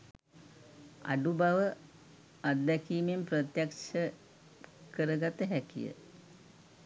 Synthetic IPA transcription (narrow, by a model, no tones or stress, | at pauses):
a̰ɖubaʋə | ad̪ːɛkiːmemprət̪jakʃə | kəɾəɡat̪əɦækḭjə̰